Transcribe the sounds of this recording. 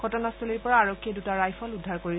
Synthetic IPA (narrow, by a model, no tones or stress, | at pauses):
ɡʱɔtɔnastʰɔliɹpɔɹaːɹɔkʰːiedutaɹajfʰɔludʱːaɹkoɹi